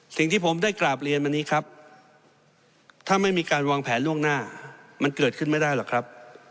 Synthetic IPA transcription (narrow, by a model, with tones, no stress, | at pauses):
si˨˩ŋt̪ʰiː˥˩pʰo˩˦mdaː˥˩jklaː˨˩p̚ɾi˧ənma˧nːiː˦˥kʰɾa˦˥p̚ | t̪ʰaː˥˩ma˥˩jmiː˧kaː˧nwaː˧ŋpʰɛː˩˦nlu˥˩əŋnaː˥˩ma˧nkɤː˨˩t̪̚kʰɯ˥˩nma˥˩jdaː˥˩jlɔː˨˩kʰɾa˦˥p̚